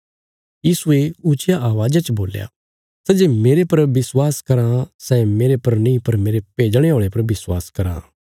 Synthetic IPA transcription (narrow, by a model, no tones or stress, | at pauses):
jiːsueʊt͡ʃɪjaʔaːʋaːd͡ʒat͡ʃboːlja̰ː | sɛd͡ʒeːmeːɾepɐɾbɪswaːskɐɾãsɛmeːɾepɐɾnĩpɐɾmeːɾepeːd͡ʒɽ̃eɦoːɭepɐɾbɪswa̰ːskɐɾã̰ː